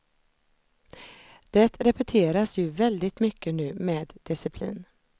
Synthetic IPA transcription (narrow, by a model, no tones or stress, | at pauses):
d̪̥ɛt̪ɾɛpɛt̪ʰeːɾasjɵvɛld̪ɪt̪mʏkʰːənʉ̟ːmeːd̪d̪ɪsɪpʰlḭːn